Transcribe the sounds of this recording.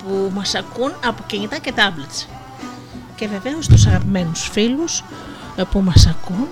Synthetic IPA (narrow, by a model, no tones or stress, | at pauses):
pumɐsɐkunɐpociɲit̪ɐce̞t̪ɐblɐt̪s | ce̞ve̞ve̞ost̪usɐɣɐpime̞nusfilus | pumɐsɐkun